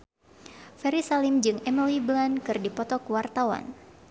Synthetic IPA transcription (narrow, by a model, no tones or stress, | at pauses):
fɛɾisalimd͡ʒɨŋɛməliblankɨrdipɔt̪ɔkəwart̪awa̰n